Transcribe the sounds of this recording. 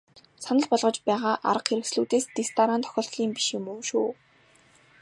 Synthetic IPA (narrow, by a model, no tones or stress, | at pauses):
sanə̆ɮpɔɮʁɞ̆t͡ɕpæːʁaːʔa̰ɾə̆qxeɾɘ̆ksɮuːt̪eːst̪est̪aɾaːnt̪ʰɔ̥xʲɔːɬt̪ɮiːmpi̥ʃjʊmuːʃuː